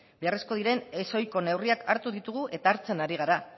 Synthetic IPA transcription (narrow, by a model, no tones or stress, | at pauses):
beare̞sko̞ð̞iɾe̞ne̞so̞jko̞ne̞wriakʰaɾt̪uðit̪uɣuʔe̞t̪aːɾt͡se̞naɾiɣ̞aɾa